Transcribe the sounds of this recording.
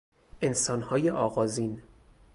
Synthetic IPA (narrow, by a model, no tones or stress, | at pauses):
ʔe̞nsɒːnhɒːjeʔɒːɣɒːziːn